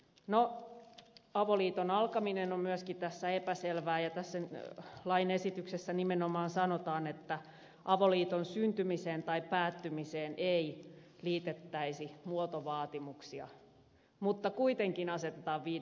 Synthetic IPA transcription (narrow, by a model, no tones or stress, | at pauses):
no | ɑʋoliːt̪onɑlkɑminenommyøskit̪æsːæepæselʋæːjɑt̪æsːælɑinesit̪yksesːænimenomɑːnsɑnot̪ɑːnet̪ːæ | ʔɑʋoliːt̪onsynt̪ymiseːnt̪ɑipæːt̪ːymiseːnʔei | liːt̪et̪ːæisimuot̪oʋɑːt̪imuksiɑ̰ | mut̪ːɑkuit̪eŋkinɑset̪et̪ɑːʋʋiː